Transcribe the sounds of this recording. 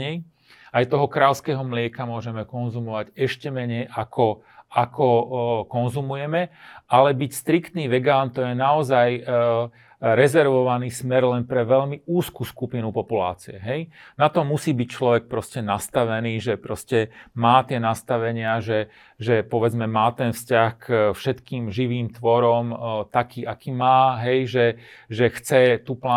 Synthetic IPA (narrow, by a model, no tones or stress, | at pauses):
ɛj | ajt̪ɔɦɔkɾaːʎskɛːɦɔmlɪɛkamʊɔʒɛmɛkɔnzumɔʋaɟɛʃcɛmɛɲɛjʔakʰɔ | akʰɔkɔnzumujɛmɛʔalɛbicst̪ɾikt̪niːʋɛɡaːnt̪ɔjɛnaɔzaj | ɾɛzɛɾʋɔʋaniːsmɛɾlɛnpɾɛʋɛʎmiuːskuːskupinupɔpula̰ːt͡siɛɦɛjnat̪ɔmusiːbict͡ʃlɔʋɛk̚pɾɔscɛnast̪aʋɛniːʒɛpɾɔscɛmaːt̪ɪɛnast̪aʋɛɲɪaʒɛ | ʒɛpɔʋɛd͡zmɛmaːt̪ɛnfscaxkfʃɛt̪kiːmʒiʋiːmt̪ʋɔɾɔmt̪akiːakiːmaːɦɛjʒɛʒɛxt͡sɛt̪upla